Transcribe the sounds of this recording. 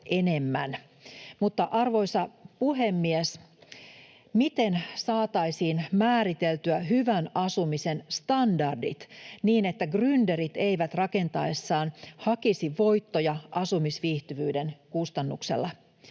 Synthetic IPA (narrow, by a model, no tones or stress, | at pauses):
ene̞mːæn | mut̪ːɑʔɑrʋo̞jsɑpuɦemːies | mit̪e̞nsɑːt̪ɑisiːnmæːɾit̪elt̪yæɦyʋænɑsumisenst̪ɑndɑrdḭt̪niːne̞t̪ːæɡryndeɾit̪eiʋæt̪rɑke̞nt̪ɑesːɑːnhɑkisiʋʋo̞jt̪ːojɑʔɑsumisʋiːht̪yʋyːdenkust̪ɑnːṵksḛlːɑ